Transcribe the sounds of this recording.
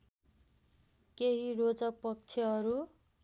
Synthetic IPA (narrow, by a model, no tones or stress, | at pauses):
keɦirot͡sd͡zʌk̚pʌk̚t͡sʰʌɦʌɾu